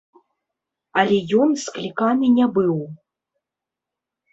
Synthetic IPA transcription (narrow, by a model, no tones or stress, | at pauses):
ɐlʲɛjɔnsklʲikanɨnʲɛbɨw